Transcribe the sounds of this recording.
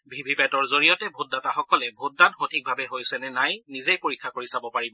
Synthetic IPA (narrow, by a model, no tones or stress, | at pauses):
bʱibʱipɛtɔɹzoɹijɔtɛbʱot̚dataxɔkɔlɛbʱot̚danxotʰik̚bʱabɛɦojsɛnɛnajnizejpoɹikʰːakoɹisabɔpaɹibɔ